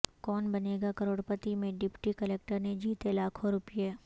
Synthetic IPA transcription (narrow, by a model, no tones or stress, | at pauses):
kɔːnbɐneːɡakɐɾoːɽpət̪imẽɖɪpʈikəleːk̚ʈəɾned͡ʒiːt̪elaːkʰoɾʊpjeː